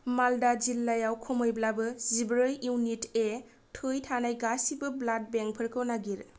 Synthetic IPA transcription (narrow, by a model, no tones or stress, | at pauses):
maldazilːajawkʰɔmojblabɯzibɾɯjuwnite | tʰɯjtʰanajɡasibɯblat̚beŋ̚pʰɯɾkʰɯwnaɡiɾ